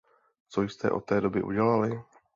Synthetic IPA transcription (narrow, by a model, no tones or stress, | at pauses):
t͡so̞jst̪ɛ̰ʔo̞t̪ːɛːdo̞bɪʔṵɟɛlalɪ